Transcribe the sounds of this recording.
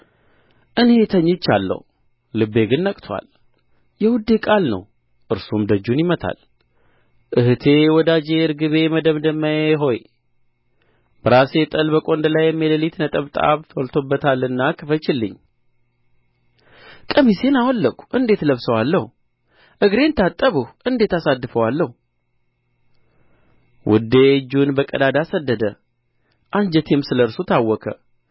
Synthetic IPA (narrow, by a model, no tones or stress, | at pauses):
ʔɨne̞t̪ʰəɲːɪt͡ʃːa̰lːə̰w | lɨbːe̞ɡɨnːəkʼt̪ʰwa̰l | jɛwʊd̪ːekʼalnə̰w | ʔɨɾsumd̪əd͡ʒːunjɪmət̪ʰa̰l | ʔɨhɨt̪ʰe̞wɔd̪ad͡ʒeɨɾɡɨβe̞məd̪əmd̪əmːəjeɦo̞j | b̥əɾase̞t̪ʼəlbəkʼo̞nd̪əlajːɛmːeləlit̪nət̪ʼəβt̪ʼa̰βt̪ʰwɔlt̪ʰo̞bːət̪ʰalːɨnːakʰɨfət͡ʃɪlːɨ̰ɲː | kʼəmise̞nawɔlːəkʷu̥ʔɨnd̪e̞t̪ləβsəwalːəhu | ʔɨɡɾe̞nt̪ʰat̪ʼːəβɨhʔɨnd̪e̞t̪asad̪ːɨfəwalːəh | wʔʊ̰d̪ːed͡ʒːunbəkʼəd̪ad̪asəd̪ːəd̪ə | ʔand͡ʒɛt̪ʰemsɨləɾsut̪ʰawːɔkʰə̰